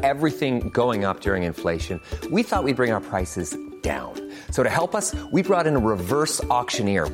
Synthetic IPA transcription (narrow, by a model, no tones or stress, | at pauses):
ɛvɹiθɪ̃ŋɡoʊɪ̃ŋʌp̚d̥ʊɹɪ̃ŋɨ̃ɱfleɪʃɨ̃nwiθɔʔ̚wid̚bɹɪ̃ŋaʊə˞pʰɹ̥aɪsɨzd̥ã̰ʊ̃n | soʊɾɨhɛlˠpʌswibɹɔɾɨ̃nəɹɪvɜ˞sɔkʃɨ̃nɪɹ